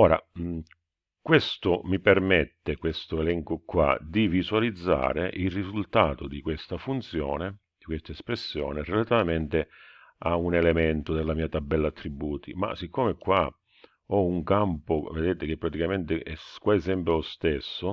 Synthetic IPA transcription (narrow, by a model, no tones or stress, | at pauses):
ɔːɾa̰ | kwest̪ʊmipermɛt̪ːekwest̪ʊelɛŋkʊkːwa̰d̪ivisualid̪zːa̰ːɾḛʔilrizult̪aːt̪ʊd̪ikwest̪afunt̪sjɔ̰ːne | d̪̥ikwest̪aespɾesːjɔ̰ːnerelat̪ivamɛnt̪ɪ | aunɛlɛmɛnt̪ʊd̪elːamiːat̪abːɛlːat̪ːɾibːuːt̪ima̰sikːoːmekːwa | ɔuŋkampʊved̪eːt̪ɪk̟ɪpːɾat̪ikament̪ɪʔɛkwaɛsɛmpɾɪlʊst̪esːʊ